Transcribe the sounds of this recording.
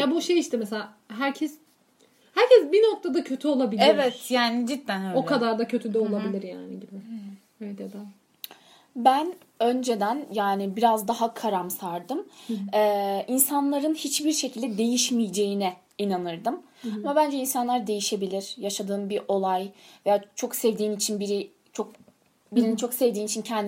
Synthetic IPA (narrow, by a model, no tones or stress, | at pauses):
jabuʃejiʃt̪ɛmɛselʲa | ɦæɾcʰɛs | hæɾcɛsbinok̚t̪ʰad̪acʰø̞t̪ʰyolˠabilevɛt̪jaːnid͡ʒit̪ːænøokʰad̪aɾd̪acʰø̞t̪ʰyd̪ɛo̞lˠabilʲiɾja̰ːniɟibɪ | evɛt̪jad̪a | bæn | ø̞nd͡ʒe̞d̪ænjaːnibiɾazd̪aɦakʰaɾamsaɾd̪ɯmɛːʔinsanlˠaɾɯnhit͡ʃbiɾʃe̞cʰilʲd̪ɛd̪e̞jiʃmijd͡ʒe̞jinɛ | inanɯɾd̪ɯm | amabænd͡ʒɛinsanlˠaɾd̪e̞jiʃe̞bilʲiɾ̥jaʃad̪ɯːmbiɾʔo̞lˠajvejat͡ʃʰo̞ksevd̪iːnit͡ʃʰinbiɾi | t͡ʃʰo̞k̚ | biɾinint͡ʃʰo̞ksevd̪iːnit͡ʃʰincʰɛnd̪